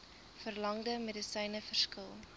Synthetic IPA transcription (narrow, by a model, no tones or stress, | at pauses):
fərlɐŋdəmedisɛjnəfərskəlˠ